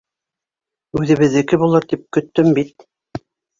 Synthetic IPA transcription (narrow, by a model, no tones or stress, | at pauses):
ʉðɘ̆βɘ̆ðɘ̆kɘβulˠɤɾt̪ip̚kɵ̆t̪ːɵmbit̪̚